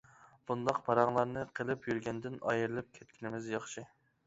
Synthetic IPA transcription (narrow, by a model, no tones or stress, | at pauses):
b̥und̪ɑqpʰɑɾɑŋlˠɑɾnɨqʰəlˠɪpjyɾɡʲɛnd̪ɪnɑ̰jɨɾɨlˠɪp̚kʲʰɛt̪̚kʲʰinɪmɪzjɑχʃɨ